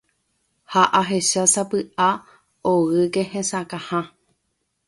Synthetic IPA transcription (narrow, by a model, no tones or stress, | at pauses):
haʔaɦe̞ʃasapɨʔa | oɣɨke̞hẽsãkãhã